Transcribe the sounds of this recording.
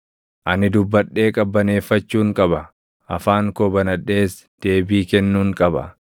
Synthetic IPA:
ʔɐnɪd̪ʊbːɐɗːe̞ːkʼɐbːɐne̞ːfːɐt͡ʃːuːŋkʼɐbɐ | ʔɐ̰faːŋkobɐnɐᶑːe̞ːs | d̪̥e̞ːbiːkɛnːuːŋkʼɐbɐ̰

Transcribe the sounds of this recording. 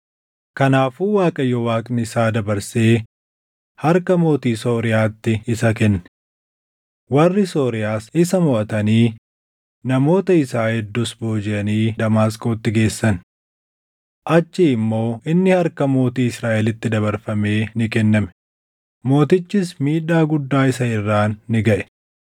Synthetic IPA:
kɐnaːfuːwaːkʼɐjːɔwaːkʼnɪɪsaːd̪ɐbɐɾse̞ː | hɐɾkɐmo̞ːt̪iːso̞ːɾɪjaːt̪ːɪɪsɐkɛnːɛ̥ | wɐrːɪso̞ːɾɪjaːsɪsɐmʊʔɐt̪ɐniː | nɐmo̞ːt̪ɐɪsaːhɛd̪ːʊsbo̞ːd͡ʒɪʔɐniːd̪ɐmaːskoːt̪ːɪɡe̞ːsːɐn | ʔɐt͡ʃːɪɪmːo̞ːʔɪnːɪhɐɾkɐmo̞ːt̪iːɪsɾaːʔɛlɪt̪ːɪd̪ɐbɐɾfɐme̞ːnɪkɛnːɐmɛ̥ | mo̞ːt̪ɪt͡ʃːɪsmiːᶑaːɡʊd̪ːaːɪsɐɪrːaːnːɪɡɐʔɛ̥

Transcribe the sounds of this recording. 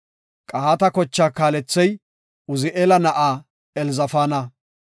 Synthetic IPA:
kʼɐhaːt̪ɐkɔt͡ʃːaːkaːlɛt͡sːɛj | ʊzɪʔeːlɐnɐʔaː | ɛlzɐfaːnɐ

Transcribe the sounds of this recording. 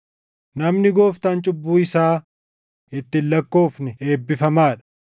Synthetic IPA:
nɐmnɪɡo̞ːft̪aːnt͡ʃʼʊbːuːɪsaː | ɪt̪ːɪlːɐkːo̞ːfnɪe̞ːbːɪfɐmaːᶑɐ̥

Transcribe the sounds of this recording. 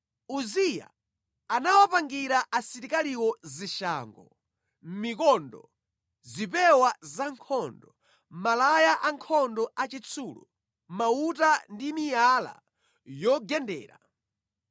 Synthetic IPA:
uzija̰ | anawapaŋɡiɾaʔasiɾikaliwɔziʃa̰ːŋɡɔ | m̩mik̬ɔndɔ̰ | zipɛwazaŋkʰɔndɔ | malajaʔaŋkʰɔndɔʔat͡ʃit͡sʰuːlṵ | mautandimijala̰ | jɔɡɛndɛ̰ːɾa̰

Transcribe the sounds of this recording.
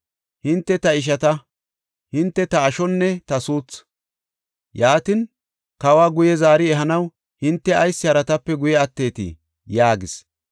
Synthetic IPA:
hɪnt̪ːɛt̪ɐɪʃ̬ɐt̪ɐ | hɪnt̪ːɛt̪ɐːʃɔnːɛt̪ɐsuːt͡s | jaːt̪ɪn | kɐwaːɡʊjɛzaːɾɪɛɦɐnɐw | hɪnt̪ːɛɐjsːɪhɐɾɐt̪ɐpːɛɡʊjɛɐt̪ːe̞ːt̪ɪ̰ | jaːɡɪs

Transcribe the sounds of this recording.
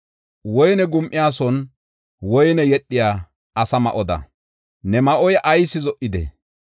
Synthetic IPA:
wɔjnɛɡʊmʔɪjaːsɔn | wɔjnɛjɛɗːɪjaː | ɐsɐmɐ̰ʔɔd̪ɐ̰ | nɛmɐʔɔjʔɐjsɪzɔʔɪd̪ɛ̰

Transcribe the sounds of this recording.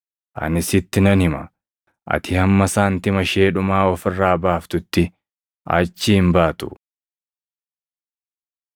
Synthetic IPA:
ʔɐ̰nɪsɪt̪ːɪnɐnhɪmɐ | ʔɐ̰t̪ʰɪhɐmːɐsaːnt̪ɪmɐʃeːᶑʊmaːɔfɪrːaːbaːft̪ʊt̪ːɪ | ʔɐ̰t͡ʃːɪhɪmbaːt̪ʊ̰

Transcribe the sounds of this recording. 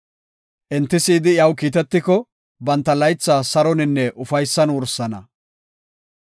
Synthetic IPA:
ʔɛnt̪ːɪsiːd̪ɪjɐwkiːt̪ɛt̪ːɪkɔ | bɐnt̪ːɐlɐjt͡sːaːsɐɾɔnɪnːɛʔʊfɐjsːɐnwɔɾsɐnɐ̰

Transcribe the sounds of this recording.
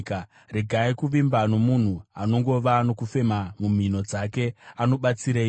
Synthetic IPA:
ka | reɡʱaikuʋimbano̞mun̤uano̞ŋɡo̞ʋano̞kufe̞mamum̤ino̞d͡zake̞ano̞ɓat͡siɾei

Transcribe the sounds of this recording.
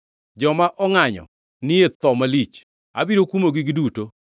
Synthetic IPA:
d͡ʒɔmaʔɔŋaɲɔ̰ | nɪet̪ɔmalit͡ʃ | a̰biɾokumoɡɪɡɪduto

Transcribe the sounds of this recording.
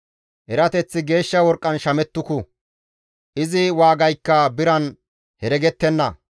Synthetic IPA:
ʔɛɾɐt̪ɛt͡sːɪɡe̞ːʃːɐwɔɾkʼːɐnʃɐmɛt̪ːʊkʊ | ʔɪzɪwaːɡɐjkːɐbɪɾɐn | hɛɾɛɡɛt̪ːɛnːɐ

